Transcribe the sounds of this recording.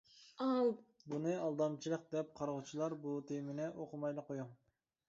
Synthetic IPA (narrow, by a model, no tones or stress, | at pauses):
ɑlbunɨɑlˠd̪ɑmt͡ʃʰilˠəq̚d̪ɛp̚qʰɑɾʁʊt͡ʃʰilˠɑɾbut̪ʰemɪnɛʔoqʰʊmɑjlˠɨqojuŋ